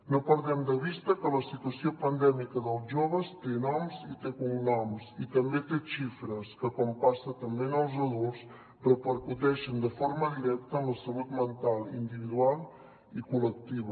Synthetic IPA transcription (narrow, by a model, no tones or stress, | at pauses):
nopəɾðɛmd̪əβist̪əkələsit̪uəsiopənd̪ɛmikəðəlˠzʒoβəst̪enɔmzit̪ekumnɔmsit̪əmbet̪eʃifɾəskəkɔmpasət̪əmbenəlˠzəðulˠs | pɾɔpəɾkuðɛʃənd̪əfoɾməðiɾɛk̚t̪əːmləsəlut̪mənt̪alˠind̪iβiðualˠ | ikulək̚t̪iβə